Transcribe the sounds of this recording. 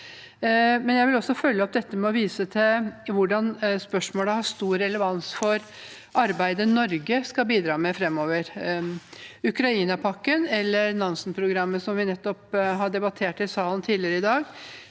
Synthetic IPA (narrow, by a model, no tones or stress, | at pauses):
mɛnjæɪʋɪlɔsːɔfœlːəɔp̚d̪ɛt̪ːəmɛɔʋiːsət̪ʰɪlʋʊɖɑnspœʂmoːləhɑʂt̪uːɾːɛləʋɑnsfɔɾ | ʔɑɾbæɪd̪ənɔɾɡəskɑbiːd̪ɾɑːmɛfɾɛmːoːʋəɾ | ʉkɾɑiːnɑpʰɑkːənɛlːəɾnɑnsənpʰɾʊɡɾɑmːəsɔmʋɪnɛt̪ːɔpɦɑɖɛbɑt̪ʰeːʈɪlsɑːlən̩t̪ʰiːd̪lɪəɾəɪd̪ɑːɡ